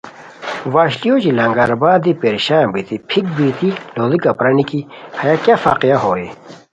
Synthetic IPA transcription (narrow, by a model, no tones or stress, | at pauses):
ʋaːɕlijoːd͡ʑilɐŋɡaɾbaːd̪ipeɾiɕaːmbit̪ipʰik̚bit̪iloːd̪ikapɾɐnikihɐjakjafa̰ːqijaɦoːe